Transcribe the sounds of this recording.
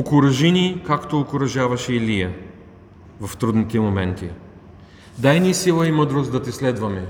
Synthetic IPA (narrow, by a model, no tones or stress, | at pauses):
okʊɾɐʒinikakt̪oːkʊɾɐʒavɐʃɛːlijɐ | vɐft̪ɾud̪nit̪ɛmomɛnt̪i | d̪ajnisilˠɐiməd̪ɾosd̪ɐt̪ɛslɛd̪vɐmɛ